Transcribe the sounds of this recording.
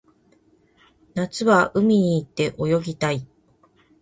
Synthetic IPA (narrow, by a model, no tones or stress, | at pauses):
nat͡sɨβaʔɯ̟mʲiɲ̟iːt̪ːe̞ʔo̞jo̞ɡʲit̪ai